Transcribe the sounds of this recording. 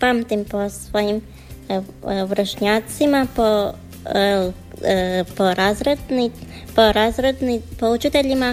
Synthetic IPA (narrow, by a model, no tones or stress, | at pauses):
pamt̪impɔsʋojim | vɾəʃɲat̪simapɔ | pɔɾazɾɛd̪nipɔɾazɾɛd̪nipout͡ʃit̪ɛʎima